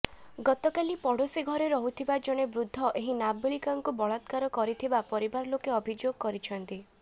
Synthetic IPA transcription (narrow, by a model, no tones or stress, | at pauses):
ɡɔt̪ɔkalipɔɽ̤osiɡʱɔɾeɾɔɦut̪ʰibad͡ʒɔɽ̃ebɾud̪ʱːɔʔeɦinabeɭikaŋkubɔɭat̪kaɾɔkɔɾit̪ʰibapɔɾibaɾɔlokeɔbʱid͡ʒoɡɔkɔɾit͡ʃʰɔnt̪i